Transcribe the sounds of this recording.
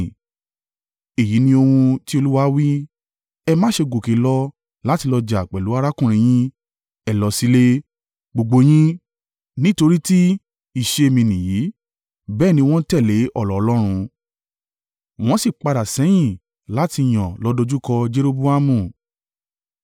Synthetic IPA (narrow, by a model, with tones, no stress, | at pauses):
e˨ji˨˦nĩ˧o˧hũ˧ti˦o˧lu˦wa˦wi˦ | ɛ˧mãː˦ʃe˧ɡo˨ke˨˦lɔ˧ | la˦ti˧lɔ˧d͡ʒa˨k͡pɛ˨lu˨˦a˦˧ɾa˦kũ˦˨ɾ̃ĩ˧j̃ĩ˦ | ɛ˨lɔ˨˧˦si˦le˦ | ɡ͡bo˧ɡ͡bo˧j̃ĩ˦ | nĩ˦to˧ɾi˦ti˦ | i˦˨ʃe˧e˧mĩ˧nĩ˨ji˨˦ | bɛː˦˨nĩ˧w̃ɔ̃˦tɛ˦˨le˨˦ʔɔ˦˨lɔ˨˦˧lɔ˦ɾ̃ũ˧ | w̃ɔ̃˦si˦˨k͡pa˧ɾa˨sɛ˨˦j̃ĩ˦˨ | la˦ti˧˨j̃ɔ̃˨lɔ˨˦dɔ˧d͡ʒu˦kɔ˧d͡ʒe˦ɾo˦˧bu˦a˦mũ˦˨